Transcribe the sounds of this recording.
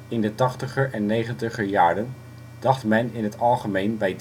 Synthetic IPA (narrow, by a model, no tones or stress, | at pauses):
ɪndətɑχtəχəɹʔɛnːejχəntəχəjaːɹdən | d̥ɑχtmɛnɪnɦətɑlˠχəmejnbɛjd